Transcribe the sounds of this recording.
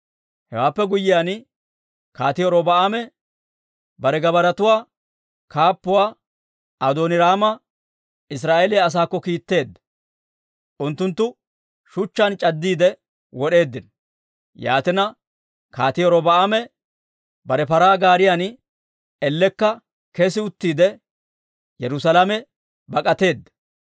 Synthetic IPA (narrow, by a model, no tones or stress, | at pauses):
hɛwaːpːɛɡʊjːɪjaːn | kaːt̪ɪjɔɾɔbɐaːmɛ | bɐɾɛɡɐbɐɾɐt̪ʊwaː | kaːpːʊwaː | ɐd̪oːnɪɾaːmɐ | ɪs̬ɾaːʔelɛɐs̬aːkːɔkiːt̪ːe̞ːd̪ɐ | ʔʊnt̪ːʊnt̪ːʊ | ʃʊt͡ʃːɐnt͡ʃʼɐd̪ːiːd̪ɛ | wɔɗe̞ːd̪ːɪn | ja̰ːt̪ɪnɐ | kaːt̪ɪjɔɾɔbɐʔːmɛ | bɐɾɛpɐɾaːɡaːɾɪjan | ɛlːɛkːɐ | kɛsɪʊt̪ːiːd̪ɛ | jɛɾʊsɐlamɛ | bɐkʼɐt̪e̞ːd̪ːɐ